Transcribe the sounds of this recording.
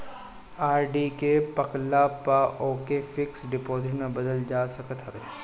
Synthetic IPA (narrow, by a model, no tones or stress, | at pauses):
aːɾɖikepɐklapaʔoːkefɪksɖɪpoːzɪʈnɐbɐd̪əld͡ʒaːsɐkət̪ɦe